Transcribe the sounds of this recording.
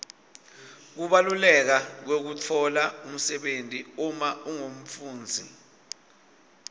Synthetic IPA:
k̬uɓalulɛk̬ak̬wek̬utʰɔlaum̩sɛɓentʼiumauŋom̩fuːnd͡zʱi

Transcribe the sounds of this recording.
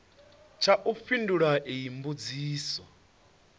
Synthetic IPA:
t͡ʃʰaʔufinduɺaʔiimbud͡ziːswa

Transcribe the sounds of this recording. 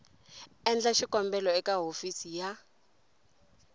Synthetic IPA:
ɛnd͡ɮaʃikɔmbɛlɔɛkaɦofisija

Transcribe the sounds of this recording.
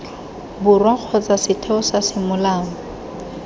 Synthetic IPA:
bʊrwaq͡χʰɔt͡sʼasɪtʰɛɔsasɪmʊlaːŋɔ

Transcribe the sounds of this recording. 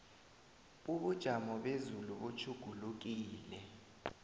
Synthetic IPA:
uɓud̥ʒ̥ʱamɔɓezuluɓot͡ʃʰuɡ̥ʱuluk̬iːlɛ

